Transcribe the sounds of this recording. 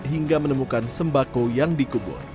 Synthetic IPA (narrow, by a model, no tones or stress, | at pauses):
ɦiŋɡamənəmukansəmbakojaŋdikubʊ̰r